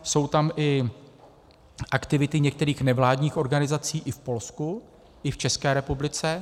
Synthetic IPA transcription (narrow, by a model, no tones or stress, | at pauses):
so̞wt̪amʔɪ | ʔakt̪ɪvɪt̪ɪɲɛk̚t̪ɛɾiːxnɛvlaːdɲiːxo̞ɾɡanɪzat͡siːʔɪfpo̞lsku | ʔɪft͡ʃɛskɛːɾɛpublɪt͡sɛ